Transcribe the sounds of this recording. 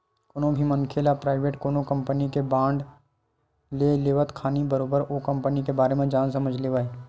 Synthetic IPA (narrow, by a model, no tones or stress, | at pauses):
konõbʱimənkʰeːlapɾaːɪʋeːʈkoːnokə̃mpənikebãːɳɖ | leːleːʋət̪kʰaːnibəɾoːbəɾoːkɐ̃mpənikebaːɾemẽd͡ʒaːnsɐməd͡ʒʱleːʋaːe